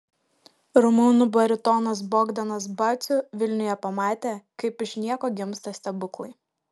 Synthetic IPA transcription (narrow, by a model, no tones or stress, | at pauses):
ɾʊmunʊbɐɾʲɪt̪ɔnɐs̬bɔːɡd̪ʲɐnɐsbɐt̪sʲʊʋʲɪlʲnʲʊjɛpɐmɑːt̪ʲeːkɐɪpɪʃʲnʲiɛkoːɡʲɪmst̪ɐsʲt̪ʲɛbʊklˠɐɪ